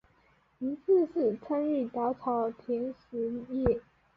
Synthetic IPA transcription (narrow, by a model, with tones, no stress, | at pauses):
i˧˥sɹ̩˥˧ʂɹ̩˥˩t͡sʰa˥ny˥˩t̪ɑ˧˥ʊt͡sʰɑ˧˥ʊt̪ʰjɛ˧˥nʂ̩˧˥jɛ˥˩